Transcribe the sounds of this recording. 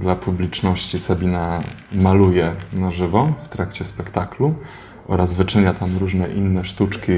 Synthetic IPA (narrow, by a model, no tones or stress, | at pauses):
d̪lapʰublʲit͡ʂnɔɕt͡ɕisabʲinamalujɛnaʐɘvɔft̪ɾakt͡ɕɛspɛkt̪aklu | ʔɔ̰ɾazvɘt͡ʂɘɲat̪ʰamɾuʐnɛʔinːɛʂt̪ut͡ʂkʲi